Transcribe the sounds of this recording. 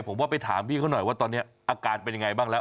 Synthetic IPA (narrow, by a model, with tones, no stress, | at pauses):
pʰo˩˦mwaː˥˩pa˧jt̪ʰaː˩˦mpʰiː˥˩kʰa˥˩˨nɔ˨˩jwaː˥˩t̪ɔː˧nːi˦˥ɐʔaː˧kaː˧t̪̚pe˧nja˧ŋa˧jbaː˥˩ŋlɛː˦˥